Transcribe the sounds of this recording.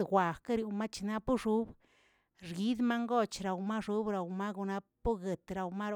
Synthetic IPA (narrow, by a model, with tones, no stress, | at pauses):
ɡʷwa˨ka˦ɾju˨˧ma˦t͡ʃna˦pu˦ʂu˦b | ɾɡi˦d̪ma˦ŋɡo˦t͡ʃɾa˨wma˦ʂu˨˦bɾa˨wma˦ɡu˧na˦pu˦ɡe˨t̪ɾa˨wma˦ɾ